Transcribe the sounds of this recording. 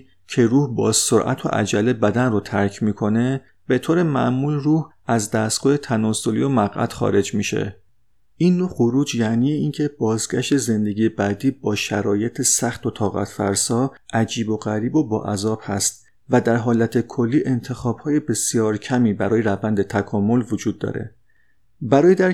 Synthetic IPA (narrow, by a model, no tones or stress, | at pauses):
cʰe̞ɾuːhbɒ̰ːz̥soɾʔæ̰t̪ʰo̰ʔæ̰d͡ʒælebæd̪ænrot̪ʰæɾcʰmiːkʰo̞ne̞ | b̥e̞t̪ʰoːɾe̞mæʔmuːlruːh | æzd̪æst̪̚ɡ̥ɒːhet̪ʰænɒːsolḭjo̞mæɣʔæ̰t̪xɒ̰ːɾe̞d͡ʒmiːʃḛ | ʔinːoxoɾuːd͡ʒjæniːjeincʰe̞bɒːzɡæʃt̪e̞ze̞nd̪e̞ɟiːjebæd̪iːbɒːʃæɾɒːje̞t̪ʰesæxt̪o̞t̪ʰɒːɣæ̰t̪ʰfæ̰ɾsɒːʔæd͡ʒiːbo̞ɣæɾiːbo̞bɒ̰ːʔæzɒːb̥hæst̪ | væd̪æɾɦɒːlæt̪ʰekʰo̞lːiːʔe̞nt̪ʰe̞xɒːb̥hɒːjebe̞sijɒːɾcʰæmiːbæɾɒːje̞ɾævænd̪e̞t̪ʰækʰɒːmo̞lvod͡ʒuːd̪ːɒ̰ːɾe̞̰ | bæɾɒːjed̪æɾ